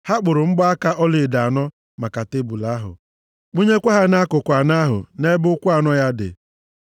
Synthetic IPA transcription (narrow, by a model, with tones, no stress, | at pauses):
ha˦k͡pʊ˨ɾʊ˨ŋ͡m̩˦ɡ͡bɔ˦a˦ka˦ʔɔ˦lɪ˨da˨nɔ˦ | ma˨ka˨te˦bu˨la˨˦ɦʊ̰˨ | k͡pu˦ɲe˦kʷa˦ɦa˦na˦kʊ˨kʷa˨na˦ɦʊ̰˨ne˦bʊ˦kʷʊ˦a˨nɔ˦ja˦dɪ̰˨